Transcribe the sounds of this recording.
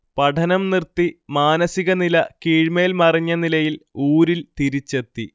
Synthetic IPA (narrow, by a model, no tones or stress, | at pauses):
pɐʈʰɐnɐmnirt̪ːimaːnɐsiɣɐnilɐkiːɻme̞ːlmɐriɲːɐnilɐjiluːɾilt̪iɾit͡ɕːet̪ːi